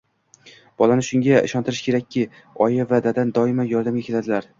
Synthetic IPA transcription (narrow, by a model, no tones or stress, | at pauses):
b̥ɒlanɪʃʊŋɡʲaɪ̰ʃɒnt̪ʰɪɾɪʃkʲʰe̞ɾakʲʰːɪ | ɒjavad̪ad̪and̪ɒɪmajɒɾd̪amʲakʰʲe̞lad̪ɪlaɾ